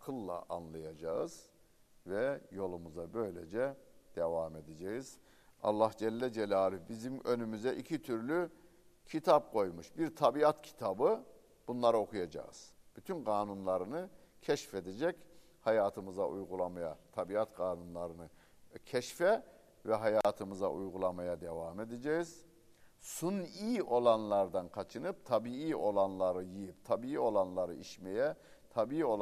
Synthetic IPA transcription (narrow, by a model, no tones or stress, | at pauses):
akʰɯlˠːa̰ʔanlˠajad͡ʒaɯz̥ | vɛjo̞lˠumuzabø̞jlʲḛd͡ʒɛd̪̥evaːmed̪ed͡ʒɛjiz̥ | ɑ̰lˠːahd͡ʒɛlʲːɛd͡ʒɛlʲaːlʲybizimø̞nymyzɛʔicʰit̪ʰyɾlʲy | cʰit̪ʰap̚kʰo̞jmuʃbiɾt̪ʰabiat̪cʰi̥t̪ʰabɯ | b̥unlˠaɾao̞kʰujad͡ʒa̰ɯ̰z̥b̥yt̪ʰynɡaːnunlˠaɾɯnɯ | cʰɛʃfed̪ed͡ʒɛc | hajaːt̪ʰɯmɯza̰ʔujɡulˠamaja̰t̪ʰabiat̪ɡʰaːnunlˠaɾɯnɯ | cʰɛʃfɛ | vɛɦajaːt̪ʰɯmɯza̰ʔujɡulˠamajad̪evaːme̞d̪ed͡ʒɛjiz̥ | suniːo̞lˠanlˠaɾd̪ankʰat͡ʃʰɯnɯp̚t̪ʰabiiːo̞lˠanlˠaɾɯjijip̚t̪ʰabiio̞lˠanlˠaɾɯiʃmejɛ | t̪ʰabiio